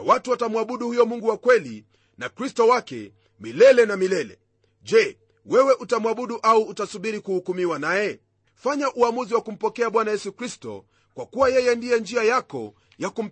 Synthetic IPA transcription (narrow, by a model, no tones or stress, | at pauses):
watuwatamwaɓuɗuhujɔmuŋɡuwakwɛli | nakɾistɔwakɛ̰ | milɛlɛnamilɛlɛ̰ | ʄɛ | wɛwɛʔutamwaɓuɗuʔauːtasuɓiɾikuhukumiwanajɛ | faɲaʔuamuziwakum̩pɔkɛaɓwanajɛsukɾistɔ̰ | kwakuwajɛjɛndijɛnd͡ʒiajakɔ̰ | jakum̩